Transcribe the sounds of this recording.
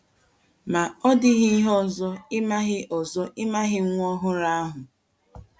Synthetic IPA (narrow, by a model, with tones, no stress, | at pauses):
ma˨ɔ˦dɪ˦ɦɪ˦ɦɔ˦˨zɔ˦ɪ˦ma˦ɣɪ˦ʔɔ˨zɔ˦ʔɪ˦ma˦ɦɪ˦ŋʷ˦ɔ˦ɦʊ˦ɾa˦a˦ɦʊ˨